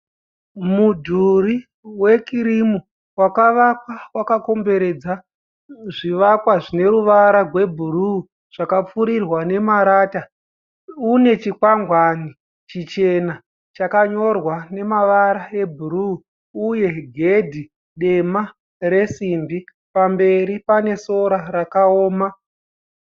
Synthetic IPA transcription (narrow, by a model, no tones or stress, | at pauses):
mudʱuri | we̞kiɾimu | wakaʋakwawakako̞mbe̞ɾe̞d͡za | ʐiʋakwaʐine̞ɾuʋaɾarwe̞bʱuru | ʐ̥akap͡fuɾirwane̞maɾaːta | une̞t͡ʃikwaŋɡwani | t͡ʃit͡ʃe̞na | t͡ʃakaɲo̞rwane̞maʋaɾae̞bʱuɾuː | je̞ɡʱe̞dʱi | ɗe̞ma | ɾe̞simbi | pambe̞ɾipane̞so̞ɾaɾakaoːma